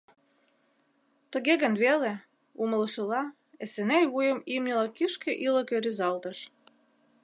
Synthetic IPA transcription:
t̪ə̆ɣeɣə̆nβele | umələ̆ʃə̆lɑ | esenejβujə̆mimnʲəlɑkiʃkeʔilə̆keɾyzɑlt̪ə̆ʃ

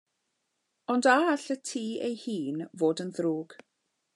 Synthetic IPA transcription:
ɔndaɬətʰiːejhiːnvoːdənðɾuːɡ̥

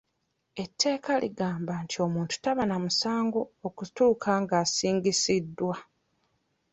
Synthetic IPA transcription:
e̞tːe̞ːkalʔḭɡaːmbantʰio̞muːntu̥taβanamusaːŋɡo̞ːkutuːkʰaŋɡaːsiːŋɡisidːwa

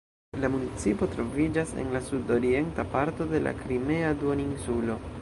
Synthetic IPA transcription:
lamunit͡sipo̞tɾo̞vid͡ʒase̞̰nlasudo̞ɾie̞ntapaɾto̞de̞lʔa̰kɾime̞aduoninsulo̞

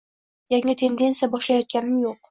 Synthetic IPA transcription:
jaŋʲɪt̪ʰe̞nd̪e̞nsɨjabɒʃlajɒt̪̚kʲanɪmjoq

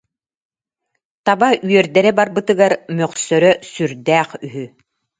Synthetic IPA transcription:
t̪abayœɾd̪ɛɾɛbaɾbɯt̪ɯɡaɾmœqsœɾœsyɾd̪æːχyɦy

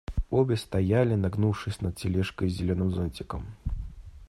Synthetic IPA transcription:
ɔbʲɛst̪ajalʲinaɡnuwʂɨsʲnɐt̪̚sʲilʲɛʂkɐjzʲɛlʲɔnɨmzɔnʲt͡sʲɪkɐm

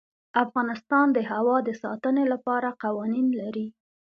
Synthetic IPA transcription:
afɣɑnɪst̪ɑnd̪əɦawɑd̪əsɑ̰t̪ənelapɑɾaqawɑninlaɾi

